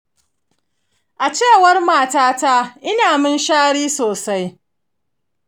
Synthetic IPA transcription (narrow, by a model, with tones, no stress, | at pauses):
ʔa˨t͡ʃeː˦˨wɐ˦rmaː˦˨taː˦ta˦ʔɪ˦naː˨mɪ˦nʃaː˦ɽiː˦soː˨sa˦j